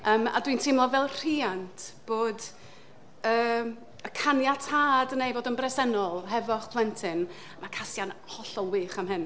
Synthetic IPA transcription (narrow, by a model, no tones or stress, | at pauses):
əːma̰dwintʰɪmlˠɔvɛlˠr̥iːantʰb̥oːd | əː | əkʰanjatʰaːdnejvoːdənbrɛsɛnɔlˠɦɛvɔχpʰlˠɛntʰɪn | amakʰasjanhɔɬɔlˠwɪːχamhɦɨn